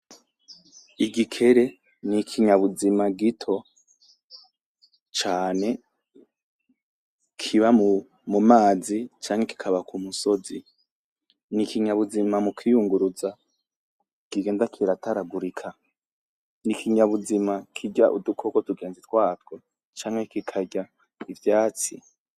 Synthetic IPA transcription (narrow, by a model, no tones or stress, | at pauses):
iɡikʰe̞ɾe̞ | nikʰiɲaβuzimaɡitʰo̞ | t͡ʃaːne̞ | kʰiβamu | mumaːzit͡ʃaːŋheki̥kʰaβakʰumuso̞zi | nikiɲaβuzimamukʰijuŋɡuɾuza | kiɡe̞ːndakʰiɾataɾaɡuɾikʰa | nikʰiɲaβuzimakʰiɟaʔṵdukʰokotuɡe̞ːnzitwaːtɡo | t͡ʃaːŋ̥he̞kikʰaɟa | ivjaːt͡si